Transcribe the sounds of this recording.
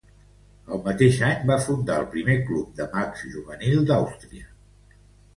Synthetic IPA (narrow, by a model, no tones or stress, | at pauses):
əlˠmət̪eʃaɲbafund̪aəlˠpɾimeklup̚d̪əmakz̥ʒuβənilˠd̪awst̪ɾiə